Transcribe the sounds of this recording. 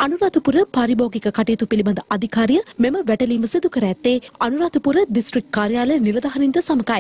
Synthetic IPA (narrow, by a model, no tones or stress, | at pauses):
ɐnuɾaːt̪upuɾəpaɾiboːɡikəkɐʈejːt̪upilibɐnd̪ɐʔɐd̪ʱikaːɾijəmeməʋæʈɐliːməsid̪ukəɾæːt̪ːeːɐnuɾaːt̪upuɾəɖisʈɾik̚kaːɾjaːləniɾɐd̪ɐɦɐnind̪əsɐmɐkaj